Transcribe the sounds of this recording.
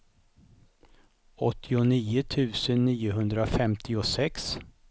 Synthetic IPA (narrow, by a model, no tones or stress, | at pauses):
ɔt̪ʰːɪʊniːʊt̪ʰʉ̟ːsənːiːʊɦɵnd̪ɾaɔfɛmt̪ʰɪʊsɛks